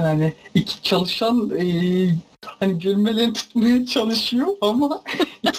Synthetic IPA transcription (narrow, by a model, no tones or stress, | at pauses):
anɪicʰi̥t͡ʃʰalˠɯʃanɯ | haniɟøɾmelʲɛɾt̪ʰu̥t̪majat͡ʃʰalˠɯʃɯjoama